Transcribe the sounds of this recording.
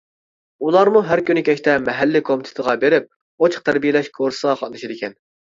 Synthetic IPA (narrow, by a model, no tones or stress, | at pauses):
ulˠɑɾmuɦæɾkʲynɪkʲɛʃt̪ɛmɛɦælːɪkʰomɪt̪ʰɪ̥t̪ʰəʁɑbeɾɪp̚ | ot͡ʃʰq̚t̪ʰæɾbijelɛʃkʰoɾsəʁɑqʰɑt̪d̪ɨʃid̪ɪkʲɛn